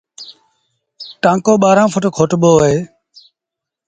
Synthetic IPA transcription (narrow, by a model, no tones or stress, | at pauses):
ʈãːŋkoːɓaːɾãːpʰʊʈːkʰoːʈɓoːɦeː